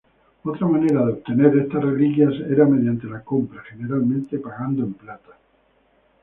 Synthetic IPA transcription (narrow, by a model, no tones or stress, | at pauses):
ot̪ɾamane̞ɾaðeo̞βt̪e̞ne̞ɾest̪asrelikjaseɾameðjant̪elako̞mpɾaχene̞ɾalmẽnt̪e̞paɣand̪oemplat̪ḁ